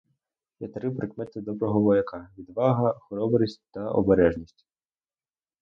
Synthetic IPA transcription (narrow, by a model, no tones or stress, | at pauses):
jɐt̪ɾɪwpɾɪkmɛt̪ɪd̪ɔbɾɔɦɔʋɔjɐkɑʋʲid̪ʋɑɦɐxɔɾɔbɾʲisʲtʲt̪ɐʔɔ̰beɾɛʒnʲisʲtʲ